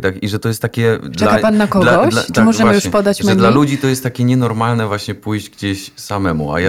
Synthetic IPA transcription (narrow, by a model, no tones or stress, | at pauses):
t̪akiʐɛt̪ɔjɛst̪ːakʲɛʈ͡ʂ̪ɛkapanːakɔlɡɔɕlaʈ͡ʂɨmɔʐɛvajuʂɛpɔd̪at͡ɕmɛd̪lalud͡ʑit̪ɔjɛst̪ːakʲɛɲɛnɔɾmalnɛvwaɕɲɛpujʑd͡ʑɡd͡ʑeɕsamɛmṵa̰ja